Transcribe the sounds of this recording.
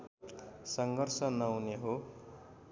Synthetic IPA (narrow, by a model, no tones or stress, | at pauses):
sʌŋɡʱʌrsʌnʌwneɦo